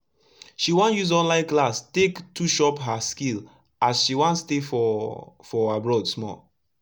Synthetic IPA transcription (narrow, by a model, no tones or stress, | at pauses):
ʃiwãnjuzɔ̃nlãɪ̃nklastektʰuʃɔpɦaskil | azʃiwãnstefɔfɔabɹɔdsmɔ̰l